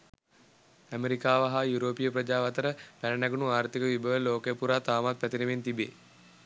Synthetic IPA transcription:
æmeɾikaːʋɐɦajuɾoːpijəprəd͡ʒaːʋat̪əɾəpænənæɡunuaːɾt̪ikəʋibəʋəloːkəjəpuɾaːt̪aːmat̪̚pæt̪iɾement̪ibeː

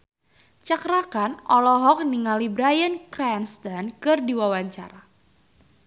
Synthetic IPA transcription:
t͡ʃakɾakanʔɔlɔɦɔk̚niŋalibɾajənkɾɛnst̪ankɨrdiwawaɲt͡ʃa̰ɾa

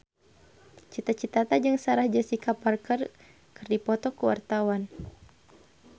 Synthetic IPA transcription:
t͡ʃit̪at͡ʃit̪at̪ad͡ʒɨŋsaɾahd͡ʒasikaparkər | kɨrdipɔt̪ɔkuwa̰rt̪awan

